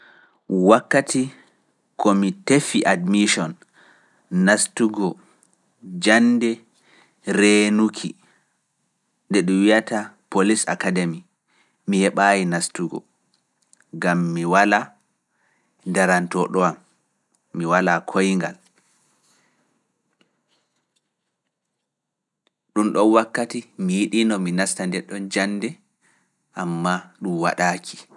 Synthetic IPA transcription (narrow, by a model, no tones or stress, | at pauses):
wakːatʰi | kɔmitefiʔadmiʃɔnː | astuɡɔ | d͡ʒanːdɛ | ɾenukʰi | ndɛɗuwijatʰapolisa̰kademi | mihɛɓaːjinastuɡɔ̰ | ɡamːiwala | ndaɾantɔɗɔamː | iwalakʰojŋɡal | ɗumɗɔnwakːatimijiɗinɔminastandɛɗːɔnd͡ʒanːdɛ | ʔamːaɗumwa̰ɗaːkʰi̥